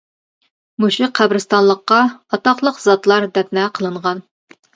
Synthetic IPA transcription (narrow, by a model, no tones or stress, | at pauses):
muʃiqʰːæbɾɨst̪ɑnlˠəqːɑɑt̪ɑχlˠəqz̥ɑt̪lˠɑɾd̪ɛp̚nɛqʰəlˠɨɴʁɑn